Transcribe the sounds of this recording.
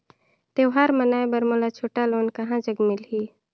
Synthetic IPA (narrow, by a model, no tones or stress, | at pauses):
t̪ewɦaːɾmənaːjbəɾmolat͡ʃʰoːʈaloːnkəɦãd͡ʒəɡmɪlɦiː